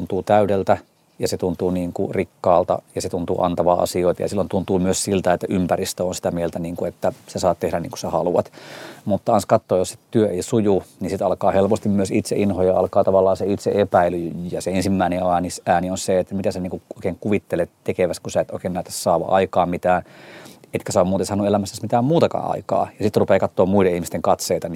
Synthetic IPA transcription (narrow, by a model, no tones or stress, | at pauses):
nt̪uːt̪æyɾelt̪æ | jɑset̪unt̪uːniːŋkṵrikːɑːlt̪ɑ̰jɑset̪unt̪ṵːʔɑ̰nt̪ɑʋɑ̰ːʔɑ̰sioit̪ɑ̰jɑ̰silːont̪unt̪uːmyøssilt̪æet̪ːæʔympærist̪øonsi̥t̪æmielt̪æniːŋkuet̪ːæsesɑːt̪t̪ehɾænḭːŋku̥sehɑ̰luɑt̪mut̪ːɑɑnskɑt̪ːoːjosse̥t̪yøeisujunisit̪ɑlkɑːhelpost̪immyøsit̪sḛʔinhojɑɑ̰lkɑːt̪ɑʋɑlːɑːseit̪sḛʔepæilyjɑseensimːæineɑːnisæːnionseet̪ːæmit̪æseniːŋkuoikeːŋkuʋit̪ːelett̪ekeʋæst̪kusæet̪oˑikeːnæit̪ːæ̥ssɑːʋɑ̰ʔɑikɑːmmit̪æːnet̪kæsɑoːmuːt̪esɑːnuelæmæsːæsmit̪æːmmuːt̪ɑkɑ̰ːʔɑ̰ikɑ̰ːjɑsit̪rupeːkɑt̪ːoːmmuiɾeihmist̪eŋkɑt̪seːt̪ɑn